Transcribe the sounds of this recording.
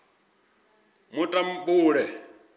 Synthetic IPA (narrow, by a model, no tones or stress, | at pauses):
mutʼambuːɺɛ